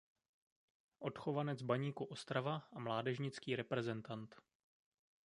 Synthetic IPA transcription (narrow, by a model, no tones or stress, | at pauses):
ʔo̞t̪xovanɛd͡zbaɲiːkuʔo̞st̪ɾavaʔamlaːdɛʒɲɪt͡skiːɾɛpɾɛzɛnt̪ant̪